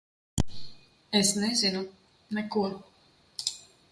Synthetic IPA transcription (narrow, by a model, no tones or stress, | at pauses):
ɛsnɛzʲinu | nɛkuɔ